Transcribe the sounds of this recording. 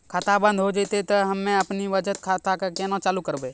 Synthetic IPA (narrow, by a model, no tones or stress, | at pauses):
kʰaːt̪abə̃nd̪ʱɦod͡ʒet̪et̪ɐɦɐmːẽɐpniʋəd͡ʒət̪kʰat̪akakenãt͡ʃaːlukəɾbeː